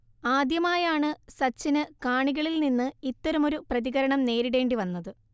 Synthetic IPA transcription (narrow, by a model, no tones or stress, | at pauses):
aːd̪jɐmaːjaːɳɨsɐt͡ɕːinɨkaːɳiɣɐɭilninːɨit̪ːɐɾɐmo̞ɾuprɐðiɣɐɾɐɳɐmne̞ːɾiɽe̞ːɳɖiʋɐnːɐðɨ